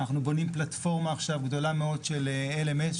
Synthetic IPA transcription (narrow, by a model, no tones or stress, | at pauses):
naχnubo̞nimplat̪fo̞ʁmaːχʃavɡdo̞lameo̞dʃeleelemes